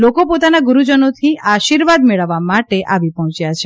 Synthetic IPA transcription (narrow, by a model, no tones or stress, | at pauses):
lokopot̪anaɡuɾud͡ʒənot̪ʰiaʃiɾʋad̪meɭəʋːamaʈeʔaʋipɔɦɔ̃t͡ʃjat͡ʃʰe